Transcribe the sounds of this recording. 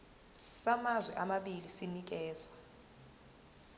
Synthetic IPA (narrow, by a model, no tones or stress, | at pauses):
samazwɛʔamaɓilisinik̬ɛːzwa